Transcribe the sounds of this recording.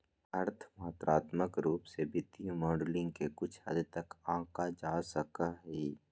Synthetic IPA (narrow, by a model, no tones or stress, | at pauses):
ɐɾt̪ʰmɔt̪ɾaːt̪məkɾuːpsebɪt̪imɔːɖlɪ̃ŋɡkekʊt͡ʃʰhɐ̰d̪t̪əkãːkad͡ʒaːsəkaɦiː